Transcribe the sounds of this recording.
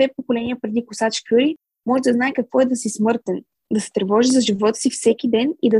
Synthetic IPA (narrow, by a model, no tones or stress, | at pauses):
ɛpokolɛnʲiəpɾɛd̪ikʊsat͡ʃkʲuɾi | mɔʒɛd̪ɐznaɛkɐkvɔɛd̪ɐsismɤɾt̪ɛn | d̪ɐsɛ̥t̪ɾɛvɔʒizɐʒivɔt̪ə̥sifsɛkʲid̪ɛnid̪ɐ